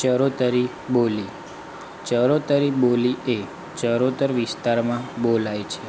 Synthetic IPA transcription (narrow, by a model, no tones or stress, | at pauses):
t͡ʃəɾot̪əɾi | boli | t͡ʃəɾot̪əɾibolie | t͡ʃəɾot̪əɾʋist̪aɾmãbolajt͡ʃʰe